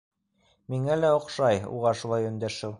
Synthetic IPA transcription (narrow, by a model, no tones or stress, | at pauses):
miŋælæŏqʃɑjṵʁɑʃulˠɑjɵ̆nd̪æʃɘw